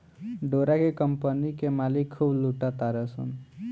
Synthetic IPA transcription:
ɖoɾakekəmpənikemalikʰːubluʈat̪aɾesə̰n

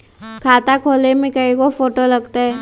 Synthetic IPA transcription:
kʰaːt̪akʰoːlemẽkɐikofoːʈolɐɡt̪aɦɛː

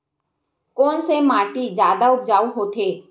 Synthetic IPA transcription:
kɔːnsemaːʈid͡ʒjaːd̪aʊp̚d͡ʒaːuɦoːt̪ʰeː

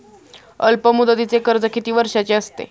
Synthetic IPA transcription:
əlpəmud̪ət̪it͡sekəɾd͡zəkʰit̪iːʋəɾʂat͡ɕeəst̪ḛ

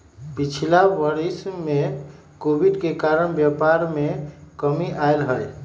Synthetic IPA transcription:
pit͡ʃʰilaʋəɾisme | kobiɖkekaɾəɳbjəpaɾmekəmiʔajlɦəl

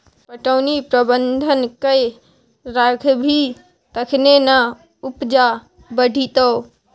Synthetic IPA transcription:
pɐʈəːnipɾɐbə̃nd̪ʱənkɐe | ɾaːkʰbʱi | t̪ɐkʰnena | ʊpd͡ʒa | bəɖʱit̪əː

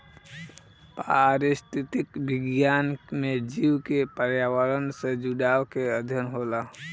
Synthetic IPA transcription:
paɾɪst̪ʰit̪ikbɪɡjaːnmed͡ʒiwkepəɾjaːwəɾənsed͡ʒuɽaːwkeəd̪ʱjənɦola

